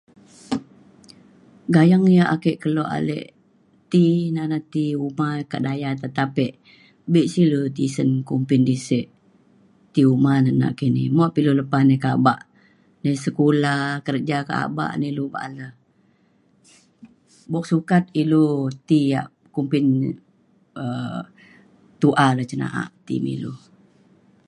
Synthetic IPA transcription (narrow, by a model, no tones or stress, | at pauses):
ɡajaŋjaʔakɛʔkəlɔʔa̰lɛ̰ʔ | t̪inanat̪iumakaʔdajat̪ət̪apɛʔ | biʔsilot̪isənkumpɪndisɛʔ | t̪iumanəna̰ʔkinḭmɔʔpiluləpasnekaba̰ʔ | nəsəkulakəɾd͡ʒaka̰ʔa̰ba̰ʔnəluba̰ʔaləh | bɔk̚sukat̪̚ilut̪ija̰ʔ | kumpɪn | ə | t̪uʔalət͡ʃəna̰ʔa̰ʔt̪ḭmḭlu